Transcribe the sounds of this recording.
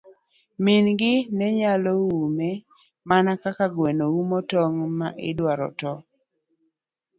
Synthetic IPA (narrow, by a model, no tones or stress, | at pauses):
mɪnɡɪnɛɲalɔwumɛ | manakakaɡwenoumɔtɔŋmaʔɪ̰dwaɾɔ̰tɔ